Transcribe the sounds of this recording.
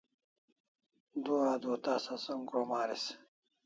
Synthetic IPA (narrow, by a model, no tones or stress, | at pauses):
d̪uaːd̪oːt̪aːsasoŋkɾomaːɾis